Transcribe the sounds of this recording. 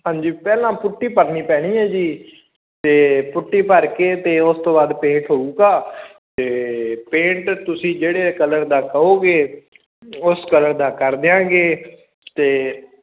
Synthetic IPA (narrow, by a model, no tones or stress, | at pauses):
ɦãːɲd͡ʒiːpɛːlãːpʊʈːiːpəɾniːpɛːɽ̃iːɛːd͡ʒiː | t̪eːpʊʈːiːpəɾkeːt̪eːʊst̪õːbaːd̪pẽːɳʈɦoːuːkaː | t̪eːpẽːɳʈt̪ʊsĩːd͡ʒeːɽeːkələɾd̪aːkəoːɡeː | ʊskələɾd̪aːkəɾd̪eãːɡeː | t̪eː